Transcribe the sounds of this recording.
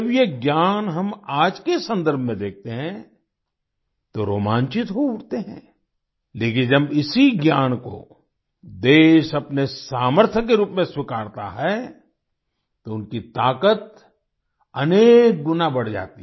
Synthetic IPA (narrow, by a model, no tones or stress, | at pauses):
ɐbjeɡjaːnɦɐmaːd͡ʒkesɐ̃nd̪əɾbʱmẽd̪eːk̚ʰt̪eɦɛ̃ | t̪oɾoːmãːnt͡ʃɪt̪ɦouːʈt̪eɦɛ̰̃ː | leːkɪnd͡ʒɐbɪsiɡjaːnko̰ | d̪eːʃɐpnesaːməɾt̪ʰjəkːeɾuːpmẽswɪkaːɾt̪a̰ɦɛ | t̪oʊnkit̪aːkət̪̚ | ɐneːk̚ɡʊnabɐɽ̤d͡ʒa̰ːt̪i